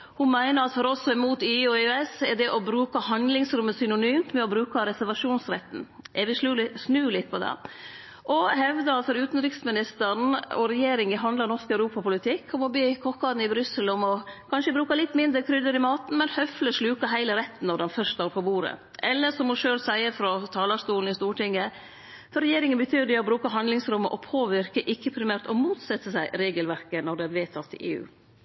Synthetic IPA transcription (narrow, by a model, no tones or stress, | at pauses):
hʊmæɪnəɾɑt̪fɔɾɔsɔɪmuːt̪iɔɛsɛɖ̪ɛʔɔbɾʉːkəhɑnd̪lɪŋsɾʉmːəsʏnʊnyːmt̪mɛɔbɾʉːkɑɾɛsæɾʋɑʂuːnsɾɛ̰t̪ːn̩ | ʔɛʋɪʂʉːsnʉːlɪt̪̚ːpʰɔd̪ɛ̰ | ʔɔhɛʋd̪əɑlfɔɾʉːt̪n̩ɾɪksmɪnɪst̪əɾn̩ɔɾɛjeːɾɪŋɪɦɑnɑnɔɾskœʉɾuːpɑpʰʊlɪt̪ʰɪkʰːɔmɔbyːkʰɔkːɑːd̪n̩ɪbɾʏsəlɔmɔkʰɑnʂəbɾʉːkɑlɪt̪ːmɪnd̪ɾəkʰɾʏd̪əɾɪmɑːt̪n̩mɛnhœfləʂlʉːkɑɦæɪləɾɛt̪ːn̩ːɔdɑnfœʂt̪ɑːɾpʰɔbuːɾə̰ | ʔɛlːəsɔmɔʂøːlsæɪəfɾɔt̪ʰɑːlɑst̪uːln̩ɪst̪uːʈɪŋːə | fɔɾɛjeːɾɪŋənbət̪ʰyːd̪ɛɔbɾʉːkɑɦɑnd̪lɪŋsɾʉmːəʔɔpʰoːʋɪɾkəʔɪkːəpʰɾɪmæːɾt̪ɔmuːt̪sɛt̪ːəsæɪɾeːɡəlʋæɾkənɔɖɛæʋeːt̪ʰɑt̪ːɪ̰ʔḛːʉ̰ː